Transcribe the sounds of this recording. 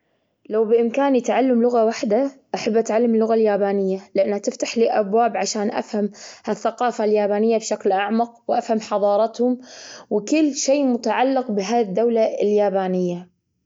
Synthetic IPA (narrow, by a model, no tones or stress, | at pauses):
lawbɪʔɪmkaːnit̪ʕalːamlʊɣawaħd̪aʔaħabːʔat̪ʕalːamɪlːʊɣaljaːbaːnɪjːalɪʔanːhat̪ɪft̪aħliːʔabwaːbʕaʃaːnʔa̰fhamhaθːaqɑːfaljaːbaːnɪjːabʃaklʔaʕmaq̚wʔafhamħɑðˤɑːɾˤɑt̪hʊmwɪkɪlːʃeːmʊt̪aʕalːɪqbɪɦaːðd̪ːawlaɪljaːbaːnɪjːa